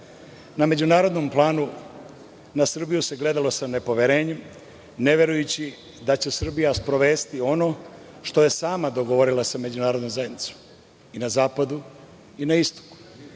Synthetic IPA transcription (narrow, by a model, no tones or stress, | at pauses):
name̞d͡ʑunaːɾod̪no̞mplˠaːnu | nasr̩bijuse̞ɡle̞d̪alo̞sane̞po̞ʋje̞ɾe̞ːɲem | ne̞ʋje̞ɾujut͡ɕi | d̪at͡ɕesr̩bijaspɾo̞ʋe̞ːst̪io̞no̞ | ʃt̪o̞je̞saːmad̪o̞ɡo̞ʋo̞ɾilˠasame̞d͡ʑunaːɾo̞d̪nomzajed̪nit̪so̥m | inazaːpad̪u | inaist̪o̥ku̥